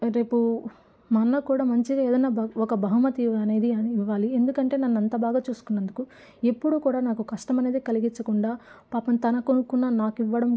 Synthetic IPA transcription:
ɾe̞ːpu | mɐnːɐkuːɽaːmɐɲt͡ʃiɡaeːd̪ɐjnːaːɔkɐbɐɦumɐt̪iɐne̞ːd̪iɐiʋːaːlie̞nd̪ukɐɳʈe̞ːnɐnːɐnt̪abaːɡaːt͡ʃuːsu̥kunːɐnd̪uku | e̞pːuɽukuːɽaːnaːkukɐʂʈɐmɐne̞ːd̪eːkɐliɡit͡ʃɐkuɳɖaːpaːpɐmt̪ɐnɐkonukunːɐnaːkiʋːɐɽɐm

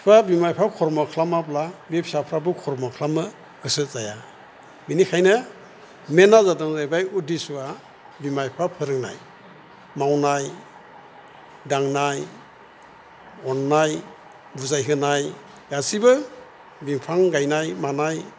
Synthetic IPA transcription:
pʰabimajpʰakʰɔɾmɔkʰlamaplabepsapʰɾabɯkʰɔɾmɔkʰlamɯ | ɡ̥ɯsɯt̚zaja | binikʰajnɯ | menazadɔŋzajbajudisua | bimajpʰapʰɯɾɯŋna̰j | mawnaj | daŋnaj | ɔnːaj | buzajɦɯnaj | asibɯ | biŋpʰaŋɡajnajmanaj

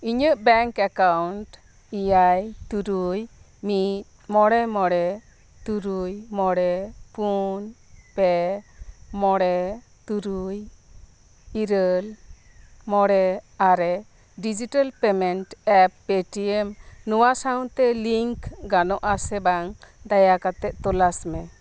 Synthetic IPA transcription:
iɲəʔbɛŋkakawnʈ | ijajt̪uɾuj | mit̪̚mɔɽɛmɔɽɛ | t̪uɾujmɔɽɛpunpɛ | mɔɽɛ | t̪uɾuj | iɾəl | mɔɽɛaɾɛ | ɖid͡ʒiʈalpɛmɛɳʈɛpːpeʈiɛmnuwasaw̃t̪ɛliŋkɡanɔʔasɛbaŋd̪ajakat̪ɛʔ̚t̪ɔlasmɛ

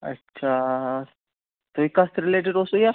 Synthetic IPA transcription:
ə̰tːɕʰa | t̪oikast̪ɾileʈ̬eɖosuja

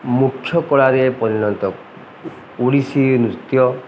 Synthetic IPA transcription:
mukʰːjɔkɔɭaɾepɔɾinɔnt̪ɔ | uɽisinut̪jɔ

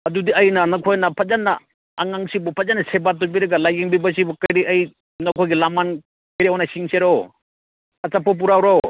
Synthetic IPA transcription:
ɐdudiɐjnɐnɐkʰojnɐpʰat̚zanːɐ̰ː | ŋaŋsibɔpʰazanːɐsebat̬ːobiɾɐɡalajɡiŋbibɐsibɔkɐjɾiɐj | nɐkʰojɡilaman | kɐjɾiɔwnɐsiŋseɾo | ɐt͡ʃapːɔp̬uɾawɾo

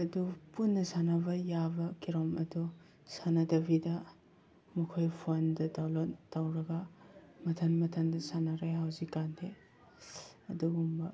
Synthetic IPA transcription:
ɐdupunːɐsanɐbɐjabɐkiɾɔmɐdu | sanɐdɐbidɐ | mukʰojpʰondɐtawlottawɾɐɡɐmɐtʰɐnmɐtʰɐndɐsanaɾajɦawzikːantʰe | ɐduɡumbɐ

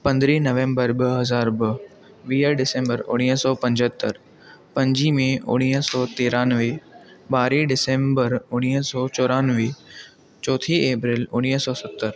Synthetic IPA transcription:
pɐ̃nd̪ɾinɐʋẽːmbəɾbəɦɐzaːɾbə | ʋiːjəɾɖɪsẽːmbəɾʊ̰ɽ̃iːɦsɔːpɐ̃ɲd͡ʑɦət̪ːəɾ | pɐ̃ɲd͡ʑimẽʊ̰ɽ̃iːɦəsɔːt̪eːɾãːnʋebaːɾiɖɪsẽːmbəɾʊɽ̃iːɦsɔːt͡ɕɔːɾãːnʋe | t͡ɕɔːt̪ʰieːpɾɪlʊɽ̃iːɦsɔːsət̪ːəɾ

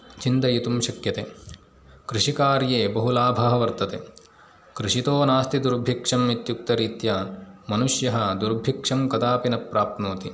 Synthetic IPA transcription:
t͡ʃint̪ɐjit̪umʃɐkjɐt̪eː | kɾiʂikaːɾjeːbɐɦulaːbʱɐɦɐʋɐɾt̪ɐt̪e | kɾiʂit̪oːnaːst̪id̪uɾbʱikʂɐmit̪juk̚t̪ɐɾiːt̪jaːnmɐnuʂjɐɦɐd̪uɾbʱikʂɐmkɐt̪aːpinɐpɾaːp̚t̪noːt̪i

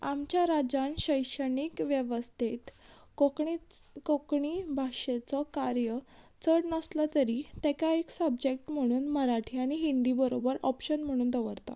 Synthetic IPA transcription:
amt͡ɕjaɾad͡zaɳɕəjɕəɳikʋjəʋəst̪ʰet̪ | o | kokɳibʱaʂet͡sɔkaɾjə | t͡səɽnəslat̪əɾit̪ɛkaeksəbd͡ʑek̚ʈm̤əɽ̃uːnməɾaʈʰiːaɽ̃iɦind̪ibəɾobəɾɔpɕənm̤əɽ̃uːnd̪əʋəɾt̪a̰

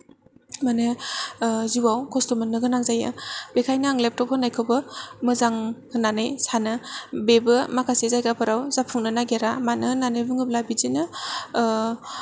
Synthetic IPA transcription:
manɯ | ziwawkʰɔstɔmɯnːɯɡɯnaŋzaja̰b̥ekʰajnaaŋlep̚tɔp̚ʰɔnajkʰowbɯmɯzaŋʰ | ɯnanɯjsanɯbebɯmakʰasezajɡapʰɯɾawz̥apʰuŋnɯnaɡeɾamanɯnanɯjbɯŋɯb̚labizinɯ

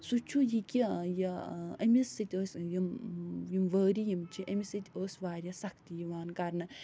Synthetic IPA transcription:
sut͡ʃʰujikijiɐmʲisɨt̪ʲəːsʲjimjimʋəːɾijimt͡ʃʰiʔɐmʲisɨt̪ʲoːsʲʋaːɾʲjɐsɐkt̪ijiʋaːnkɐɾnɨ

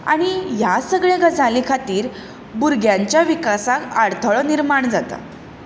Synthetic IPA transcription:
a̰ɽ̃ijasəɡɭẽɡʱəd͡zalikʰat̪iːɾ | buɾɡʱjaɲt͡ɕjaʋikasakaɽt̪ʰəɭɔniɾmaɳd͡zat̪a̰

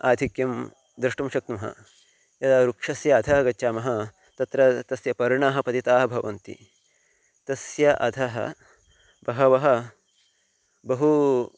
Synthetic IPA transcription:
a̰ːd̪ʱikjɐm | d̪ɾɐʂʈɐmʃɐk̚t̪ɐmɐɦɐ̰ | jɐd̪aɾukʂɐsjɐːd̪ʰʱɐɦɐɡɐtːʃaːmɐɦɐ | t̪ɐt̪ɾɐt̪ɐsjɐpɐɾɳaːɦɐ̆pɐt̪it̪aːɦɐbʱɐʋɐnt̪ḭ | t̪ɐsjɐʔɐd̪ʰʱɐɦɐ̰ | bɐɦɐʋɐɦɐ̆ | bɐɦu

